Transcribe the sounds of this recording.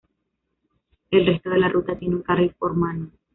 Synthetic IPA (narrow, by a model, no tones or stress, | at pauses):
e̞lre̞st̪o̞ðe̞larʔut̪at̪je̞nuŋkaripo̞ɾmano